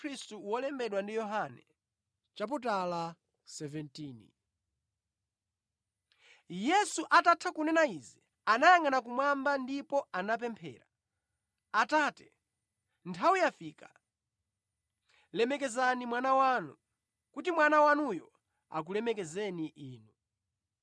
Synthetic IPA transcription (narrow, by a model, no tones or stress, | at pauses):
ɾistuwɔlɛmbɛɗwandijɔɦanɛ | t͡ʃap̬ut̬ala | sɛvɛntiːnḭ | jɛsuʔatatʰakunɛnaizi | anajaŋanak̬umwambandipɔanap̬ɛmpʰɛ̰ːɾa̰ | ataːtɛ̥ | ntʰawujafika | lɛmɛkɛzanimwanawaːnu | kutimwanawanujɔ | a̰k̬ulɛmɛkɛzɛniʔiːnu